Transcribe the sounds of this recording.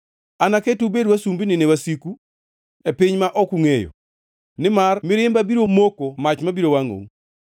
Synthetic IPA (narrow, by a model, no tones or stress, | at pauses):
anaketubedwasumbinɪnewasiku | epiɲmaʔɔkuŋejo̰ | nɪmarmɪɾɪmbabiɾomokomat͡ʃmabiɾowaŋo̰ŋ